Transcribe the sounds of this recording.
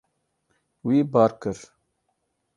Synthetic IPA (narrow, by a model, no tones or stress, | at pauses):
wiːbaːɾkəɾ